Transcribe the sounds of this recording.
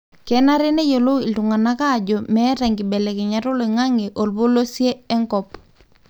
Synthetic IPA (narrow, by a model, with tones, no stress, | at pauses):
kɛ˨na˦ɾe˦ne˦jo˨lo˦ɪ˨ltu˨ŋa˨na˦ka˦˨d͡ʒo˨mɛ˦ɾa˨ŋɡɪ˨bɛ˨lɛ˨kɪ˨ɲa˨ɾo˦le˨ŋa˦ŋe˨ʔo˨lbo˦lo˦sjeː˦ŋkɔ˨p